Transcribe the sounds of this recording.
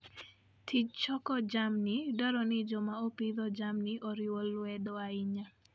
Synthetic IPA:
tʰid͡ʒt͡ʃɔkɔd͡ʒamnidɔɾɔnɪd͡ʒɔmaopiðɔd͡ʒamniʔɔɾɪwɔlːwɛdɔaɪɲa

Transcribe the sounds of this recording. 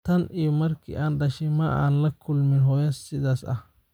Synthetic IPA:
t̪ɐnʔimɐrkʰɪ̰ʔaːnɗɐʃɪma̰ːʔa̰ːnlɐkʰʊlmɪnɦɔjɐsɪd̪aːsɐ̰

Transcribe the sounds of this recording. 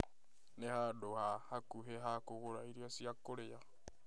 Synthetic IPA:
nehadohahakuɦeɦakuɣuɾaiɾjosiakoɾeja

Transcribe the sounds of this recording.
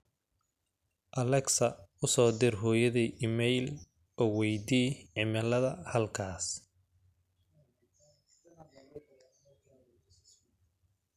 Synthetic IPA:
ʔɐlɛksɐʊsɔːd̪ɪrɦɔːjɐðiʔɪmɛjl | ʔɔːwɛjd̪iːʕɪmɛlɐðɐhɐlkʰaːs

